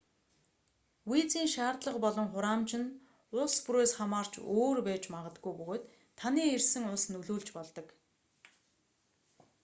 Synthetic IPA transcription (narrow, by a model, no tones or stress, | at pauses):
wiːt͡siːŋʃaːrt̪ɮə̆qpɔɮɞ̆ŋχʊɾaːmt͡ɕɪ̆n | ʊspuɾeːsχamaːr̥t͡ɕoːrpæːt͡ɕmaʁə̆t̪ɡujpɵɣoːt̪ʰː | aniːersɘ̆ŋʊɮsnɵɮuːɮt͡ɕpɔɮt̪ɞ̆k